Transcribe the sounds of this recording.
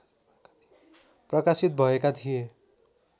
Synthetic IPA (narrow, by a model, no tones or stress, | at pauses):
prʌkasit̪̚bʱʌekat̪ʰije